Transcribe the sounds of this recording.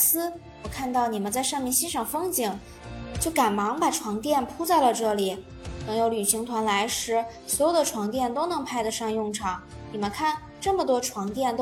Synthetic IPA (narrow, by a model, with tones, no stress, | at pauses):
sɹ̩˥ | wɔ˨˩kʰa˥˧nt̪ɑ˥˩ʊni˨˩mə˦nt͡sa˥˧ɪʂɑ˥˧ŋmjɛ˥˧nɕi˥nʂɑ˥˩ŋfɤ˥ŋt͡ɕi˨˩˦ŋ | t͡ɕjo˥˩ʊka˨˩nmɑ˧˥ŋpa˨˩ʈ͡ʂʰwɑ˧˥ŋt̪jɛ˥˩npʰu˥t͡sa˥˩ɪlə˩ʈ͡ʂɤ˥˩li˨˩˦ | nɤ˧˥ŋjo˧˥ʊly˨˩ɕi˧˥ŋt̪ʰwa˧˥nla˧˥ɪʂɻ̩˧˥swɔ˧˥jo˨˩d̪ə˦ʈ͡ʂʰwɑ˧˥ŋt̪̬jɛ˥˩nt̪o˥ʊnɤ˧˥ŋpʰa˥˧ɪd̪ə˨˩ʂɑ˥˧ŋjʊ˥˩ŋʈ͡ʂʰɑ˨˩˦ŋ | ni˨˩mə˦nkʰa˥˩n | ʈ͡ʂɤ˥˩mə˩t̪wɔ˥ʈ͡ʂʰwɑ˧˥ŋt̪jɛ˥˩nt̪